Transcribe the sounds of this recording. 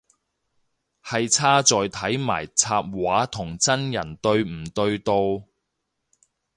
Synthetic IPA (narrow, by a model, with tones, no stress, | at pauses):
hɐ˨jt͡sʰaː˥t͡sɔː˨jt̪ʰɐ˨˥jma̰ː˨˩jt͡sʰaː˧p̚waː˨˥t̪ʰʊ˨˩ŋt͡sɐ˥njɐ˨˩nt̪ɵ˧ɥm̩˨˩t̪ɵ˧ɥt̪o˧w